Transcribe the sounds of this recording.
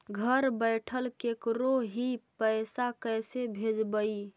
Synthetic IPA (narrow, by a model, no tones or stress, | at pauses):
ɡʱəɾbəɪʈʰəlkekɾoɦipəɪsakəjsebʱed͡ʒbəi